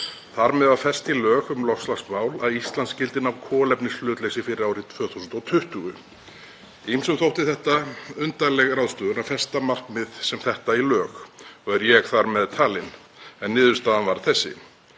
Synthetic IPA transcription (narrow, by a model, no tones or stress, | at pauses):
θaɾmɛðaðfɛst̪ilœːɣʏmlɔslaxst̪maːwlaðist̪lanscɪlt̪ɪnawkʰɔːlɛpnɪslʏːt̪lejsɪfɪɾɪɾaːwɾɪt̪ʰvœːθusnt̪ɔwt̪ʰʏht̪ʏɣʏ | imsʏmθowht̪ɪθɛht̪aʏnt̪alɛɣrawðst̪œːðʏnafɛst̪amar̥kmɪðsɛmθɛht̪ailœːxɔɣɛɾjɛɣθaɾmɛðt̪ʰaːlɪn | ɛnːɪːðʏ̥st̪aːðanvaɾ̥θɛsːɪ̰